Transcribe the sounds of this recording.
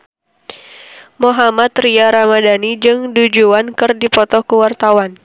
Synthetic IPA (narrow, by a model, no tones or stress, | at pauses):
mɔɦamat̪riaɾamadanid͡ʒɨŋdud͡ʒuankɨrdipɔt̪ɔkuwart̪awan